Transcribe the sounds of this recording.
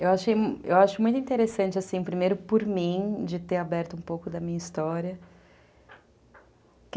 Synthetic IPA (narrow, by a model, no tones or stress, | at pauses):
ewaʃejḛwaʃʊmũj̃t̪ʊĩt̪eɾesɐ̃nt͡ʃɪasĩpɾimejɾʊpoɾmĩd͡ʒɪt̪eɾabɛɾt̪ʊũpowkʊd̪ɐmĩɲɐist̪ɔɾiɐ | k